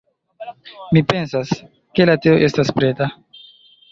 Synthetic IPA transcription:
mipe̞nsas | ke̞lateoʔe̞staspɾe̞ta

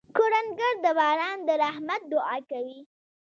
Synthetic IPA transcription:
koɾanɡəɾd̪əbɑɾɑnd̪əɾahmat̪̚d̪ʊɑkawi

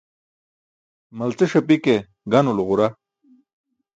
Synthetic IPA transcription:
mɐlt͡seʂɐpike | ɡɐnulʁuɾa

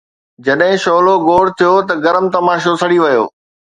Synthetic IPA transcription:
d͡ʑɐɗɦɪ̃ʃoːloɡoːɽ̤t̪ʰijot̪ɐɡɐɾəmt̪ɐmaːʃosɐɽiʋɐjo̰ː

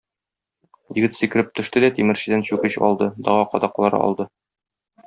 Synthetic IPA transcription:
jɘ̆ɡɘt̪sĭkɘ̆ɾɘp̚t̪ɵ̆ʃt̪ɘd̪æt̪imɘ̆ɾɕɘ̆d̪ænɕʉkɘɕɒ̰lˠd̪ɤd̪ɒʁɑqɒd̪ɑqlˠɑɾɤ̰ʔɒ̰lˠd̪ɤ

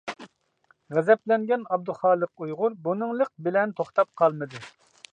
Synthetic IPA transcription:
ʁɛzɛplɛŋɡʲɛnɑb̚d̪uχɑːlˠəqujʁʊɾbunɨŋlˠəq̚bɪlɛnt̪ʰoχt̪ɑp̚qʰɑlˠmɨd̪ɨ

